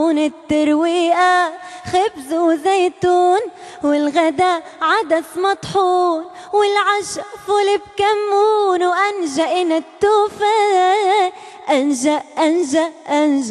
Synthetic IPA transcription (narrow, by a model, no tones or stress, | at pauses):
nɪt̪ːɑɾˤwiːʔaxabzwzeːt̪uːn | wɪlɣad̪a | ʕad̪aθmɑt̪ˤħuːn | wɪlʕaʃfʊlɪb̚kamːuːnwʔanʒaʔɪnat̪ːuːfa | ʔanʒaʔʔanʒaʔʔanʒ